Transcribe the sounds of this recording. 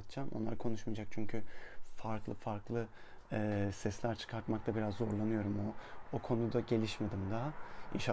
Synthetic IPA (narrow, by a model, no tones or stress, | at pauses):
t̪t͡ʃʰamʔo̰nlˠaɾkʰo̞nuʃmijd͡ʒak̚t͡ʃʰyɲcʰyfaɾklˠɯfaɾklˠɯ | ɛːsɛslʲæɾt͡ʃʰɯ̥kʰaɾt̪mak̚t̪ʰˠabiɾazːo̞ɾlˠanɯjo̞ɾumookʰo̞nud̪aɟe̞lʲiʃme̞d̪imd̪aḭʃ